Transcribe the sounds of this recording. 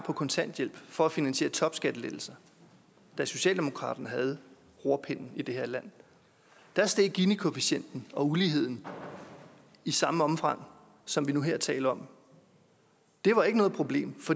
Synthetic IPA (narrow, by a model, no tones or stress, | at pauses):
pʰɒ̽kʰɒ̽nt͡sʰæn̰d̥jel̰b̥fɒ̽æfinænɕe̝̰ːɐt͡sʰɒ̽b̥sɡ̥æd̥əled̥l̩sɐ | d̥æso̝ɕɛ̰ːld̥e̝mo̝kʰʁɑ̰̈ːd̥ɐnəɦæð̞̩ˠ | ʁo̝ɐ̰pʰen̰n̩id̥e̝he̝ɐlæn̰ | d̥æsd̥eðɡ̥inikʰo̝fiɕen̰d̥n̩ɒ̽uliːɦe̝ð̞̰ˠn̩ | isɑ̈məɒ̽mfɑ̈ŋ̰ | sɒ̽mʋinuɦeɐ̰t͡sʰɛ̰ːləɒ̽m | d̥e̝ʋɑ̈e̝ɡ̥ənɔ̽ːð̞̩ˠpʰʁo̝b̥le̝̰ːmfɒ̽